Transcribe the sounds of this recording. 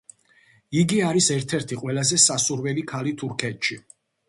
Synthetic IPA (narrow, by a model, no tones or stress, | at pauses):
iɡiaɾisɛɾt̪ʰɛɾt̪ʰiqʼwɛlˠazɛsasuɾwɛlikʰalit̪ʰuɾkʰɛt̪ʰʃi